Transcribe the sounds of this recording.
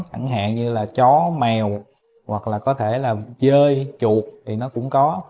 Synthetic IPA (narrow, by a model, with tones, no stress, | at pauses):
t͡ɕa˧˩ŋɦa̰ː˧˨nɲɨ˧laː˨˩t͡ɕɔ˨˦mɛ˨˩w | wa˨˩k̚laː˨˩kɔ˨˦t̪ʰe˧˩laː˨˩t͡ɕəː˧jt͡ɕu˨˩ək̚t̪ʰi˨˩nɔ˨˦kʊ̰˧˥ŋ͡mkɔ˨˦